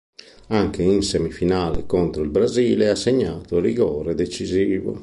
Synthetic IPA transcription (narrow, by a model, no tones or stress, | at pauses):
aŋkeinsemifinaːlɛ̰kɔnt̪ɾoilbɾaziːlɛasːeɲːaːt̪oriɣɔːɾɛd̪et͡ʃiziːvo̰